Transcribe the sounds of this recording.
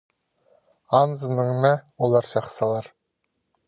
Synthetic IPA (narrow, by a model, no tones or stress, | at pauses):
ɑnzənəɴnawolˠɑɾʃɑχsɑlˠɑɾ